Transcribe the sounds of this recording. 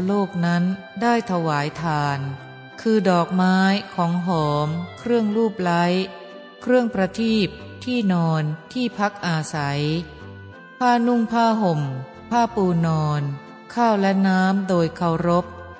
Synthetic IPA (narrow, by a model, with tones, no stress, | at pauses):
loː˥˩k̚na˦˥n | daː˥˩jt̪ʰa˧waː˩˦jt̪ʰaː˧˩n | kʰɯː˧dɔː˨˩k̚maː˦˥jkʰɔː˩˦ŋɦɔː˩˦mkʰɾɯ˥˩əŋluː˥˩p̚la˦˥j | kʰɾɯ˥˩əŋpɾa˧t̪ʰiː˥˩p̚ | t̪ʰiː˥˩nɔː˧nt̪ʰiː˥˩pʰa˦˥k̚ʔaː˧sa˩˦j | pʰaː˥˩nu˥˩ŋpʰaː˥˩ɦo˨˩m | pʰaː˥˩puː˧nɔː˧n | kʰaː˥˩wlɛ˦˥naː˦˥mdoː˧jkʰa˧˩wɾo˦˥p̚